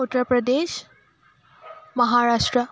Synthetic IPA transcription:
ut̪ːɾəpɾəd̪eʃ | məɦaɾaʂʈɾə

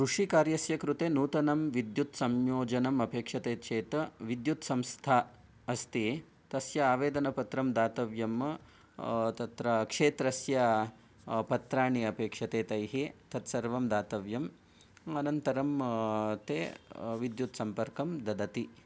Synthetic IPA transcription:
kɾuʂikaːɾjɐsjɐkɾut̪eːnuːt̪ɐnɐmʋid̪jut̪sɐmjoːd͡ʒɐnɐmɐpeːkʂɐt̪eːt͡ʃeːt̪ɐʋid̪jut̪sɐmst̪ʰaː | ɐst̪i | t̪ɐsjɐaːʋeːd̪ɐnɐpɐt̪ɾɐmd̪aːt̪ɐʋjɐm | t̪ɐt̪ɾɐkʂeːt̪ɾɐsjɐ | pɐt̪ɾaːɳiɐpeːkʂɐt̪eːt̪ɐjɦit̪ɐt̪sɐɾʋɐmd̪aːt̪ɐʋjɐm | ɐnɐnt̪ɐɾɐmt̪eːʋid̪jut̪sɐmpɐɾkɐmd̪ɐd̪ɐt̪i

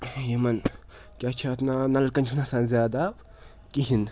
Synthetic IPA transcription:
jemɐn | kʲat͡ʃʰat̪nanɐlkɐnt͡ʃʰunasaːnzʲjaːd̪a | kiɦin

